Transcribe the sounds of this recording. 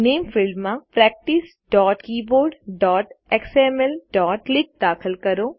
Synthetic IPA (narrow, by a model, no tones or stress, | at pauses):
neːmfʰɪlɖmãpɾɛːk̚ʈis | ɖɔːʈkiːboːɾɖɖɔːʈeksemɛlɖɔːʈlɪk̚d̪aːkʰəlkɐɾoː